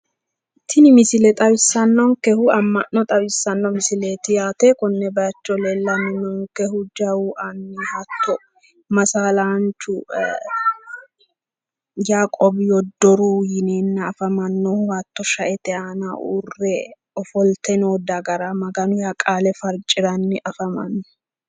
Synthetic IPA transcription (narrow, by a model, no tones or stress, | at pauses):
t̪ʰːɪnɪmɪsɪlɛt̪ʼɐwɪsːɐnːɔŋkɛhʊɐmːɐnːɔt̪ʼɐwɪsːɐnːɔmɪsɪleːt̪ɪjaːt̪ɛkɔnːɛbɐjɐt͡ʃːɔlɛlːɐnɛnɔŋkɛhʊd͡ʒɐwuʔɐnːihɐt̪ːɔ | mɐsaːlant͡ʃːʊ | jaːkʼɔbɪjɔd̪ːɔɾujɪneːnːɐːfɐmɐnːɔhʊhɐt̪ːɔʃɐʔɛt̪ɛaːnɐ̰ṵrːɛ | ɔfɔlt̪ɛnoːd̪ɐɡɐɾamɐɡɐnʊjakʼaːlɛfɐɾt͡ʃʼɪɾɐnːɪʔɐfɐmɐ̰nːɛ